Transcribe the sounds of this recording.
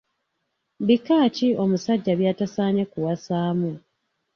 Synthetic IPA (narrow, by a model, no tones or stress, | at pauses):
bikːaːcio̞musaɟːaβjaːtasaːɲakuwasaːmu